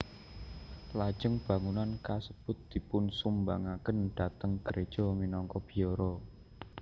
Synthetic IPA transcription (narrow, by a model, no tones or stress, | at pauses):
lḁʒ̥əŋb̥ä̤ŋunankasəb̥ʊ̤t̪̚d̪̥i̤pʊnsumbaŋakənd̪̥a̤t̪əŋɡ̥əɾed̥ʒ̥ɔ̤minɔŋkɔb̥i̤jɔɾɔ